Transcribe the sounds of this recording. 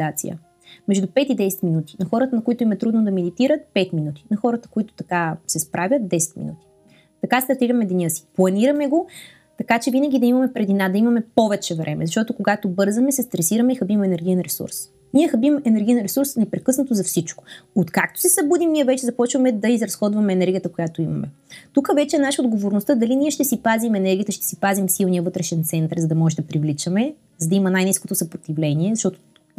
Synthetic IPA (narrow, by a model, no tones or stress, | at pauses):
at̪sḭə̰ | mɛʒd̪upɛt̪id̪ɛsɛ̥t̪minut̪i̥nɐxɔɾət̪ənɐkoit̪ʊimɛt̪ɾud̪nod̪ɐmɛd̪it̪iɾət̪̚pɛt̪minut̪i̥nɐxɔɾət̪ə̥koit̪ʊ̥t̪ɐkasɛspɾʔavʲjət̪̚d̪ɛsɛ̥t̪mḭnut̪i̥ | t̪ɐkast̪ɐɾt̪iɾɐmɛd̪ɛnʲɤsi̥plˠɐniɾɐmɛɡo | t̪ɐkat͡ʃɛvinəɡ̟ʲid̪ɐimɐmɛpɾɛd̪inad̪ɐimɐmɛpɔvɛt͡ʃɛvɾɛ̰mʔɛ̰zɐʃt̪ɔt̪okoɡat̪obɤɾzəmɛsɛst̪ɾɛsiɾəmɛixɐbimɛnɛɾɡ̟ʲijɛnɾɛsṵɾs | niɛxɐbimɛnɛɾɡ̟ʲijɛnɾɛsuɾsnɛpɾɛkɤsnət̪ozɐfsit͡ʃko̥ot̪kak̚t̪o̥sɛsɐbud̪imnːiɛvɛt͡ʃɛzɐpɔt͡ʃvɐmɛd̪ɐizɾɐsxɔd̪vɐmɛːnɛɾɡʲijət̪əkojat̪oimɐ̰mɛt̪ukəvɛt͡ʃɛːnaʃəod̪ɡovoɾnost̪əd̪ɐliniɛʃt̪ɛsipazimɛnɛɾɡʲijət̪əʃt̪ɛ̥sipazimfsilˠnijəvɤt̪ɾɛʃɛnt̪sɛnt̪əɾzɐd̪ɐmɔʒɛd̪ɐpɾivlit͡ʃəmɛ | zɐd̪ɐimənajniskot̪osɐpɾot̪ivlɛniɛzɐʃt̪ɔt̪o̥